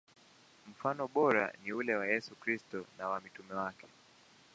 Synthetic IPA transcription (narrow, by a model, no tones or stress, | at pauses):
m̩fanɔɓɔɾa̰niulɛwajɛsukɾistɔnawamitumɛwakʰɛ̥